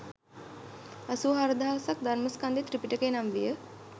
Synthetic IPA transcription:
asuːɦaɾəd̪aasak̚d̪aɾməskand̪it̪ɾipiʈəkenamʋijə

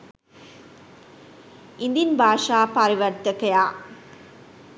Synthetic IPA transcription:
ɪnd̪inbʱaːʂaːpɐɾɪʋɐɾt̪ɐkɐjaː

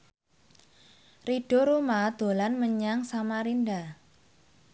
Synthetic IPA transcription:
riɖ̥oɾumad̪̥o̤lanməɲaŋsamaɾinɖa

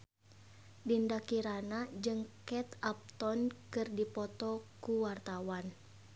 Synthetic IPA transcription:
dindakiɾanad͡ʒɨŋkɛt̪ap̚t̪ɔnkɨrdipɔt̪ɔkuwart̪awan

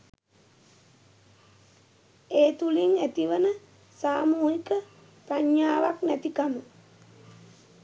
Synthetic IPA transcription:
eːt̪uliŋet̪iʋənə | saːmuːɦikə | pɾaɲːaːʋaknæt̪ikamə

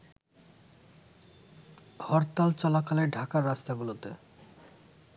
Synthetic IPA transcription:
hɔɾt̪alt͡ɕɔlakaleɾɖʱakaɾːast̪aɡulot̪ḛ

